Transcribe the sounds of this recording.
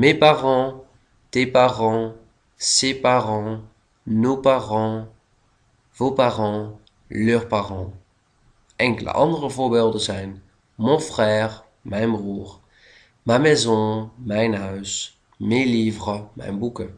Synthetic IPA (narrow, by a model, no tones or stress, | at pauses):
mepaʁɑ̃ | tepaʁɑ̃ | sepaʁɑ̃ | nopaʁɑ̃ | vopaʁɑ̃ | løːʁpaʁɑ̃ | ɛ̃ŋklə̰ʔɑ̰̃ndʁəvobɛlˠdəzɛjn | mɔ̃fχɛːʁ | mɛ̃jmbʁuːʁ | mamɛzɔ̃mɛ̃jnœɥs | meliːvʁəmɛ̰̃jbukə